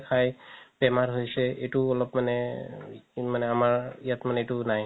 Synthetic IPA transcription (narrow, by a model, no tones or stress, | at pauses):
kʰajpɛmaɹɦojsɛetuɔlɔpmanɛ | manɛamaɹijatmanɛetunaj